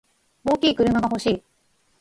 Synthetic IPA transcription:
o̞ːkʲiːkɯ̟ɾɯ̟maɡaɦo̞ɕiː

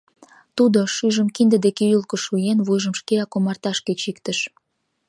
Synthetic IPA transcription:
t̪ud̪oʃyʒəmkind̪əd̪ekeylkə̆ʃujenβujʒəmʃkeɑkomɑrt̪ɑʃket͡ɕikt̪əʃ

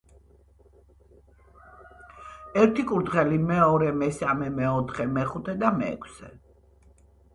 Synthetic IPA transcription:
ɛɾt̪ʰikʼuɾd̪ʁɛlimɛɔɾɛmɛsamɛmɛɔt̪ʰχɛmɛχut̪ʰɛd̪amɛ̰ːkʰsɛ

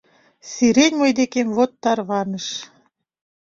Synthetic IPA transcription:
siɾenʲmɤjd̪ekemβot̪ːɑrβɑnəʃ

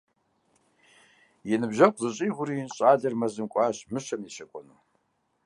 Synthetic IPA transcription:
jɛnɨbʒaqʷʰʼzɨɕʼiɣʷʊɾinɕʷʼaɮɐrmɐzɨmkʷʼaʃmɨʃamiʃɐkʷʼɔnu

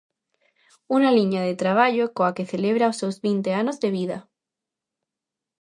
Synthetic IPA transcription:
unaliɲaðet̪ɾaβ̞aʎokoakeθeleβɾaosːewzβint̪eanozðeβ̞iða

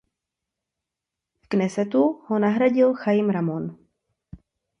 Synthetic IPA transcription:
knɛsɛt̪uhonaɦɾaɟɪlxajimɾamon

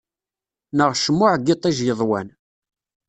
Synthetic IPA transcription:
nəʁʃmːʊʕɡɪt̪ˤːiʒjəðˤwæ̰n

